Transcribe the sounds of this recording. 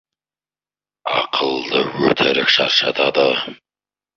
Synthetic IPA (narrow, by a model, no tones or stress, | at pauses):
ɑqʰəlˠd̪əwɵt̪ʰɪɾɪkʃɑ̰ɾʃɑt̪ʰɑd̪ə